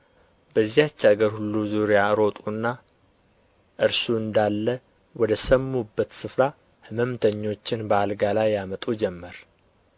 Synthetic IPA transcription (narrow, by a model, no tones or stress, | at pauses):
bəzːihat͡ʃːaɡəɾhulːuzuɾejaɾo̞t̪ʼunːa | ʔɨɾsuɨnd̪alːə | wɔd̪əsəmːubːət̪sɨfɾa | hɨməmt̪ʰəɲːo̞t͡ʃːɪnbəalɡalajːamət̪ʼud͡ʒɛmːəɾ